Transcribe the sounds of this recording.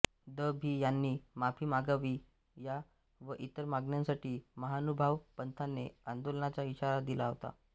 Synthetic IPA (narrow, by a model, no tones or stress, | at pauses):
d̪əbʱiːjanːiːmapʰiːmaɡaʋiː | ja | ʋəʔit̪əɾmaɡɳjãnsaʈʰiːməɦanubʱaʋpənt̪ʰanːeand̪olnat͡ɕaiɕaɾad̪ilaɦot̪a̰